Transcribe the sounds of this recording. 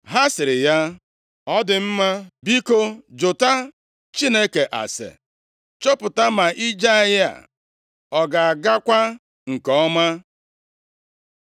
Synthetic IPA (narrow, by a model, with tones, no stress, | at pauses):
ɦa˦sɪ˨ɾɪ˨ja˦ | ɔ˦dɪ˨m̩˦ma˦bi˦ko˦d͡ʒʊ˨ta˦ | t͡ʃi˦ne˦ke˨ʔa̰˨sḛ˨ | t͡ʃo˦pʊ˨ta˦ma˨ʔi˦d͡ʒa˦ja̰˨ | ɔ˨ɡa˨a˨ɡa˦kʷa˦ | ŋ̩˨kɔ˨ɔ˦ma˦